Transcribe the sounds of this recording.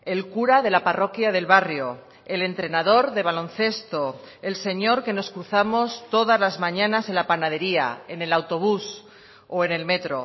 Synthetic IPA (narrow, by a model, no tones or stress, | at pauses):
e̞lkuɾaðe̞laparo̞kjaðe̞lβarjo̞ | e̞le̞nt̪ɾe̞naðo̞ɾðe̞β̞alõ̞n̟θe̞st̪o̞ | e̞lse̞ɲo̞ɾke̞no̞skɾuθamo̞st̪o̞ðazlazmãɲãnase̞lapanað̞e̞ɾia̰e̞ne̞lawt̪o̞β̞us | oe̞ne̞lme̞t̪ɾo̞̰